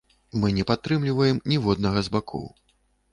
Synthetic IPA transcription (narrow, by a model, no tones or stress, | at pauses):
mɨnʲɛpat̪ːɾɨmlʲivɐjɛmnʲivɔd̪nɐɣɐzbakʰɔ̰w